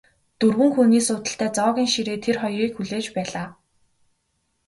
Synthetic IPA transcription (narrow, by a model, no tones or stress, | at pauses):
t̪ɵrwɘ̆ŋxuːniːsʊːt̪ə̆ɬt̪ʰæːt͡sɔːɣʲiːŋʃiɾeːt̪ʰerχɔjriːkxuɮeːt͡ɕpæːɮaː